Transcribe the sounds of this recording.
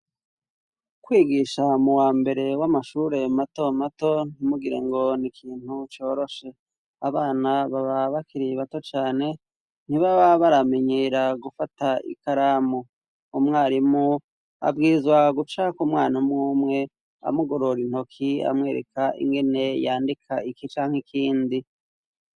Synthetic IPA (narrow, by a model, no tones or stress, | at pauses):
kwiːɡiːʃamuwaːmbe̞ɾe̞wamaʃuɾe̞mato̞mato̞n̥imuɡiɾeŋɡo̞nikʰiːnut͡ʃo̞ːɾo̞ʃe̞ | aβaːnaβaβaβakiɾiβato̞t͡ʃaːne̞ | n̥iβaβaβaɾame̞ɲeːɾaɡufataḭkaɾamo | umŋaːɾimu | a̰bɡiːzwaɡut͡ʃakumŋaːnamŋuːmŋe̞ | a̰muɡo̞ɾo̞ɾin̥ho̞kʰia̰mŋe̞ːɾekaʔḭŋɡe̞ne̞jaːndikʰaikit͡ʃaːŋhekʰiːndi